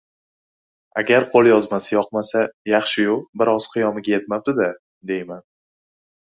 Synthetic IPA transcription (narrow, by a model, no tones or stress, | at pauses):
aɡʲaɾqʰolˠjɒzmasɪjɒqmasajɑχʃɪjoqbɪɾɒz̥qʰɨjɒmɪɡʲaje̞t̪map̚d̪ɪd̪a | d̪e̞jman